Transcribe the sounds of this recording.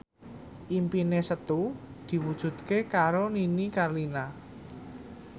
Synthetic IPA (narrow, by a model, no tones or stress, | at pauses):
ʔimpinesət̪u | d̪̥i̤wud̥ʒ̥ṳt̪̚kekaɾoninikarlina